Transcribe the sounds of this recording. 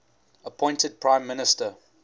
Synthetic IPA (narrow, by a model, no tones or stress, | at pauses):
əpʰɔ̃ɪ̃ntəd̚pʰɹ̥ãɪ̃mːɪnɪstə